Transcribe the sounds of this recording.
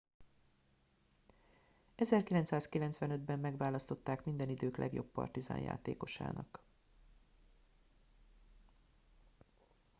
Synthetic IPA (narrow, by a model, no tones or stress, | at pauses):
ɛzɛrkilɛnt̪saːskilɛnt̪svʋɛnø̞d̪bɛmːɛɡvaːlɒst̪o̞t̪ːaːkmind̪ɛnid̪øːklʔɛ̰ɡjo̞̰pːɒ̰rt̪iza̰ːnja̰ːt̪ḛːko̞ʃa̰ːnɒ̰k